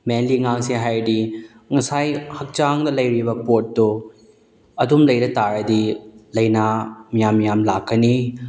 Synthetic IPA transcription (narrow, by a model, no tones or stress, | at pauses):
menliŋaŋsiɦajdi | ŋɐsajhɐk̚t͡ʃaŋdɐlɐjɾibɐpotːu | ɐdumlɐjɾɐtaɾɐdilɐjnɐmijamːijamlakːɐni